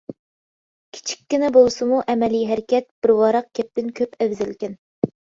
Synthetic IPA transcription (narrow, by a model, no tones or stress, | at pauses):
kʲʰi̥t͡ʃʰi̥kʲːinɪbolˠsɨmuʔɛmɛlijɦæɾɪkʲɛt̪̚b̥ɪɾwɑːɾɑq̚kʲɛp̚t̪ɪnkʲʰøpɛvzɪlkʲɛn